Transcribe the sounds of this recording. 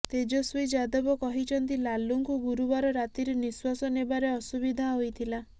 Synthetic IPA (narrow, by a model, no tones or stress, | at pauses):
t̪ed͡ʒosuid͡ʒad̪ɔbɔkɔɦit͡ʃʰɔnt̪ilaluŋkuɡuɾubaɾɔɾat̪iɾeniswasɔnebaɾeɔsubid̪ʱaɦojt̪ʰila